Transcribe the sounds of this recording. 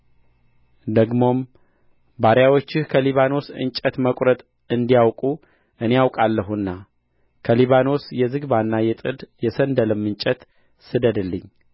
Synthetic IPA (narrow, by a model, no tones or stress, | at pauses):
d̪əɡmo̞m | baɾjawo̞t͡ʃːɪhkʰəliβano̞sɨ̰nt͡ʃʼɛt̪məkʼɾət̪ʼ | ɨnd̪ijawkʼu | ʔɨnejawkʼalːəɦunːa | kʰəliβano̞sjɛzɨɡβanːajɛt̪ʼɨd̪jɛsənd̪əlɨmːɨnt͡ʃʼɛt̪ | sɨd̪əd̪ɨlːɨɲː